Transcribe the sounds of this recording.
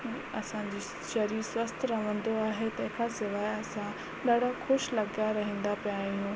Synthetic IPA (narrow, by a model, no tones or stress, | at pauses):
ɐsãɲd͡ʑiː | ʃɐɾiːɾswɐst̪ʰɾɐʋ̤ə̃nd̪oaːɦet̪ɐɦɪkʰasɪʋaːɐsã | ɗɐːɽ̤axʊʃlɐɡaɾɐɦĩːnd̪apijaːijũː